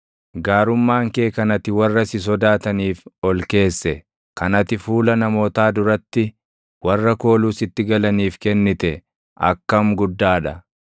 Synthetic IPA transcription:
ɡaːɾʊmːaːŋke̞ːkɐnɐt̪ɪwɐrːɐsɪs̬ɔd̪aːt̪ɐniːfɔlke̞ːsːɛ | kɐnɐt̪ɪfuːlɐnɐmo̞ːt̪aːd̪ʊɾɐt̪ːɪ | wɐrːɐko̞ːluːsɪt̪ːɪɡɐlɐniːfkɛnːɪt̪ɛ | ʔɐ̰kːɐmɡʊd̪ːaːᶑɐ

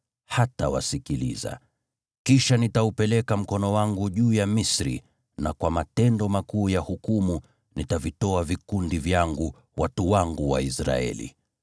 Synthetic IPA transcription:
hata̰wa̰sikilḭza̰ | kiʃanitaupɛlɛkam̩kɔnɔwaŋɡuʄuːjamisɾḭ | nakwamatɛndɔmakuːjahukumu | nitavitɔavikundivjaŋɡu | watuwaŋɡuwa̰isɾa̰ɛ̰lḭ

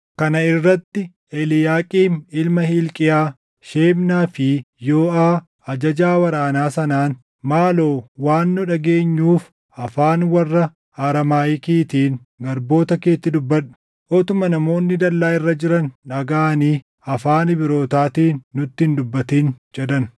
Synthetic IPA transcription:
kɐnɐɪrːɐt̪ːɪ | ɛlɪjaːkʼiːnɪlmɐhilkʼɪjaː | ʃeːmnaːfɪ | joːʔaː | ɐd͡ʒɐd͡ʒaːwɐɾaːnaːsɐnaːn | maːlo̞ːwaːnːʊᶑɐɡeːɲːuːf | ɐfaːnwɐrːɐ | ɐɾɐmaːjɪkiːt̪iːn | ɡɐɾbo̞ːt̪ɐke̞ːt̪ːɪd̪ʊbːɐᶑʊ̥ | ʔɔt̪ʊmɐnɐmo̞ːnːɪd̪ɐlːaːɪrːɐd͡ʒɪɾɐnᶑɐɡaːniː | ɐfaːnɪbɪɾo̞ːt̪aːt̪iːnːʊt̪ːɪnd̪ʊbːɐt̪iːnd͡ʒɛd̪ɐn

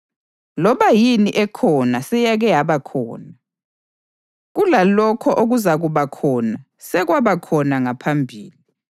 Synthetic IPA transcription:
lɔβajiniʔɛkʰɔnasɛjaɣɛjaβakʰɔ̰ːna | ɣulalɔkʰɔʔoɣuzaɣuβakʰɔna | sɛɣwaβakʰɔnaŋapʰambʱḭːli

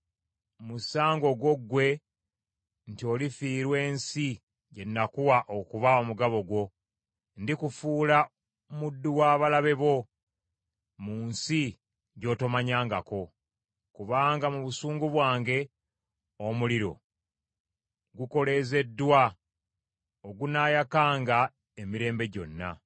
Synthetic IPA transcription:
musaːŋɡo̞ɡwo̞ɡːwe̞ | ntio̞lifiːɾwe̞ːnsi | ɟe̞nːakuwaʔokuβaomuɡaβo̞ɡwo̞ | ndikufuːla | mudːuwaːβalaβe̞βo̞ | muːnsi | ɟo̞ːto̞maɲaːŋɡako̞ | kuβaːŋɡamuβusuːŋɡuβwaːŋɡe̞ | omuliɾo̞̰ | ɡuko̞le̞ze̞dːwa | oɡunaːjakaːŋɡa | emiɾe̞ːmbe̞ɟo̞̰nːa̰

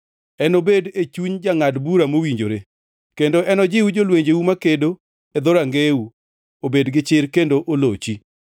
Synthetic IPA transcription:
ɛnobedet͡ʃuɲd͡ʒaŋadbuɾamowiɲd͡ʒoɾe | kendoʔɛnɔd͡ʒɪwud͡ʒolweɲd͡ʒewumakedo | ed̪oɾaŋɡeu | obedɡɪt͡ʃɪɾkendoʔolot͡ʃi

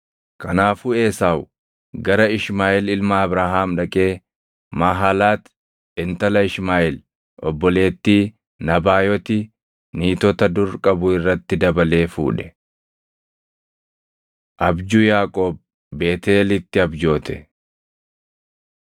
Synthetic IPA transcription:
kɐnaːfʊe̞ːsaːw | ɡɐɾɐɪʃmaːʔɪlɪlmaːbɾaːɦaːmᶑɐkʼe̞ː | maɦalaːt̪ | ɛnt̪ɐlɐɪʃmaːʔɪl | ɔ̰bːɔle̞ːt̪ːiː | nɐbaːjɔt̪ɪ | niːt̪ɔt̪ɐd̪ʊɾkʼɐbʊɪrːɐt̪ːɪd̪ɐbɐle̞ːfṵːᶑɛ̥ | ʔɐbd͡ʒʊjaːkʼoːb̚ː | e̞ːt̪eːlɪt̪ːɪɐbd͡ʒo̞ːt̪ɛ

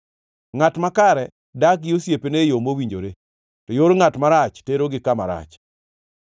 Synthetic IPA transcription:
ŋatmakaɾɛ | dakjosjepenejomowiɲd͡ʒoɾe | tɔjoɾŋatmaɾat͡ʃteɾoɡɪkama̰ɾa̰t͡ʃ

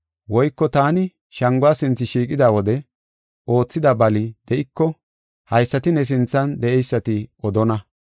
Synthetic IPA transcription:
wɔjkːɔt̪aːnɪ | ʃɐŋɡʊasɪnt͡sːɪʃiːkʼɪd̪aːwɔd̪ɛ | ʔo̞ːt͡sːɪd̪ɐbɐlɪd̪̥ɛʔɪkːɔ | hɐjsːɐt̪ɪnɛs̬ɪnt͡sːɐnd̪ɛʔɛjsːɐt̪ɪɔd̪ɔnɐ

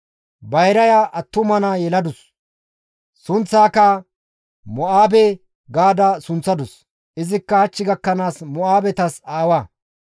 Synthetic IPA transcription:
bɐjɾɐjaʔɐt̪ːʊmɐnajɛlɐd̪ʊs | sʊnt͡sːaːkɐ | mɔaːbɛ | ɡaːd̪ɐsʊnt͡sːɐd̪ʊs | ʔɪzɪkːɐhɐt͡ʃːɪɡɐkːɐnaːsmɔaːbɛt̪ɐsaːwaː

